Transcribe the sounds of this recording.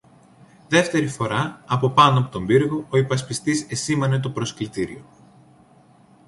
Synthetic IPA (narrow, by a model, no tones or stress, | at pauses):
ðe̞ft̪e̞ɾifo̞ɾɐːpo̞pɐnoɐpot̪o̞mbiɾɣo̞oipɐspist̪ise̞simɐne̞t̪̬o̞pɾo̞sklit̪iɾḭo̞